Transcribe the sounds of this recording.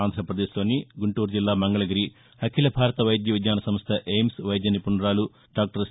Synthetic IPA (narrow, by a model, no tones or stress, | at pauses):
aːnd̪ʱɾɐpɾɐd̪eːsoːnːiɡuɳʈuːɾd͡ʒilːaːmɐŋɡɐɭɐɡɐɾi | hɐkʰilɐbʱaːɾɐt̪ɐʋɐjd̪jɐʋid̪ɲaːnɐsɐmst̪ʰɐʔejmsʋɐjd̪jɐnipuɳɖɾaːlu | ɖaːk̚ʈɐɾs